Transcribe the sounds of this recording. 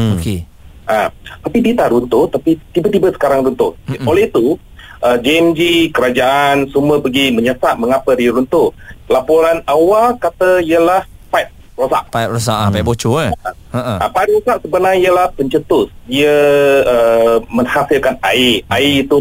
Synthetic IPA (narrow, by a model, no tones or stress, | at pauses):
oke | ʔat̪apidiət̪aʔɾunt̪ʊt̪apit̪ibət̪ibəsə̥kaɾaŋɾunt̪ʊʔolɛit̪u | ʔəd͡ʒiɛmd͡ʒikəɾad͡ʒaʔansumuəpəɡiməɲəsaʔ̚məŋapədiɾunt̪ʊʔlapoɾanawalkat̪əiəlahpajt̪̚ | rosa̰ʔpajt̪rosaʔapajt̚bot͡ʃoəa | aa̰pajt̪̚rosaʔsəbənaiəlahpəɲt͡ʃət̪ʊsdiəəməŋhasilkanaiʔaiit̪u